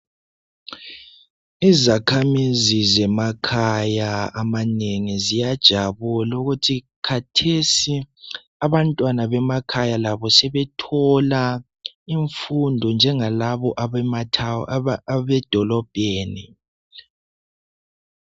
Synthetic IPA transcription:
izakʰamizizɛmakʰajaamaneŋizijad̥ʒ̥ʱaβulauɣutʰi | kʰatʰesi | aβantʼwanaβɛmakʰajalaβɔsɛβɛtʰɔla | iɱfundʱɔnd͡ʒʱɛŋalaβɔʔaɛma | βɛd̥ʱɔlɔb̥ʱeːni

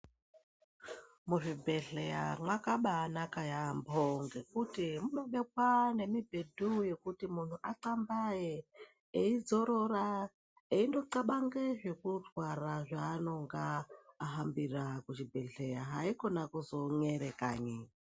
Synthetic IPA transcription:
muʐibʱe̞ɮeja̰mwakaɓaːnakajamboŋɡe̞kutimuɗoɓekwane̞mibʱedʱuje̞kutimun̤uʔaǀambaje | eid͡zo̞ɾora | eindo̞ǀaɓaŋɡeʐe̞kurwaraʐaːno̞ŋɡaːɦambirakut͡ʃibʱe̞ɮe̞jaɦaiko̞nakuzo̞ɲeɾeka̰ːɲe

